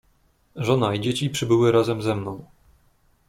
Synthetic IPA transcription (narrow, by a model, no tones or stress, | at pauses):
ʐɔnaid͡ʑet͡ɕipʂɘbɘwɘɾazɛmzɛmnɔ̃w̃